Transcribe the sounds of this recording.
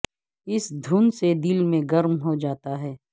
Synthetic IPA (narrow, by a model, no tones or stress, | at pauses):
ɪsd̪ʱuːnsed̪ɪlmẽɡɐɾmɦod͡ʒaːt̪aɦɛː